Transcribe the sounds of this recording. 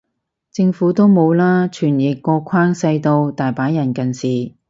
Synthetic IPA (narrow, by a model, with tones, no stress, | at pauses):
t͡sɪ˧ŋfuː˨˥t̪o˥wmo˨˧wlaː˥t͡ʃʰyː˨˩njɪ˨˩kːɔː˧kʷʰaː˥ŋsɐ˧jt̪o˧wt̪aː˨jpaː˨˥njɐ˨˩nkɐ˨nsiː˨˩